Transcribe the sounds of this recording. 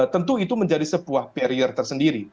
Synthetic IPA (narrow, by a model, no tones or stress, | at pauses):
t̪ənt̪uit̪uməɲd͡ʒadisəbuahpɛɾiərt̪ərsəndiɾi